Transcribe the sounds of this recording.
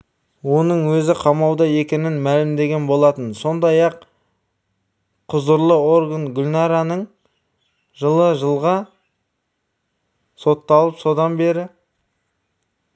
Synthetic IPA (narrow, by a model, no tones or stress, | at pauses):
wo̞nəɴwɵzɪqʰɑmɑwd̪ɑje̞kʲe̞nɪnmælɪmd̪e̞ɡʲe̞nbo̞lˠɑt̪ənso̞nd̪ɑjɑq | qʰʊzəɾlˠəo̞ɾɡənɡʲʊlʲnɑɾanəɴ | ʒəlˠəʒəlˠʁɑ | so̞t̪ːɑlˠəpso̞d̪ɑnbe̞ɾɪ